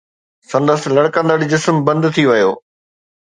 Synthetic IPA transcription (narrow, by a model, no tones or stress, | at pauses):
sɐ̃nd̪əst̪lɐɽkə̃nd̪əɽid͡ʑɪsmbɐ̃nd̪t̪ʰiʋɐjoː